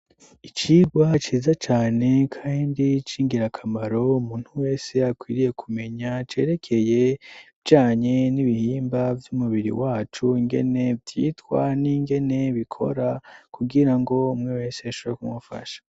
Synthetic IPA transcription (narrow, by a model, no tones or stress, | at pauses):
it͡ʃiɡwat͡ʃiːzat͡ʃaːne̞kʰaːndit͡ʃiːŋɡiɾakʰamaɾo̞umuːn̥huwe̞ːse̞akwiːɾije̞kʰume̞ɲat͡ʃe̞ːɾe̞kʰe̞je̞vɟaːɲe̞niβihiːmbavjumuβiɾḭwaːt͡ʃuiŋɡe̞̰ne̞vjiːtkwa̰niŋɡe̞ne̞βikʰo̞̰ɾakuɡiɾaŋɡo̞umŋewe̞ːse̞aʃoβɾekumufa̰ʃḁ